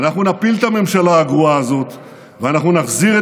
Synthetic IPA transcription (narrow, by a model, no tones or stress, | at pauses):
naχnunapilt̪ame̞mʃalaːɡʁuaːzo̞t̪ | veanaχnunaχziʁe